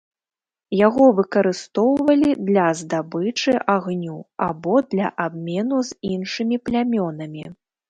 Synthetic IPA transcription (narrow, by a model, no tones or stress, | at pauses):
jaɣɔvɨkɐɾɨst̪ɔwvɐlʲid̪lʲɐzd̪abɨt͡ʂɨʔaɣnʲuabɔd̪lʲɐ̰ʔabmʲɛnuzinʂɨmʲiplʲamʲɔnɐmʲi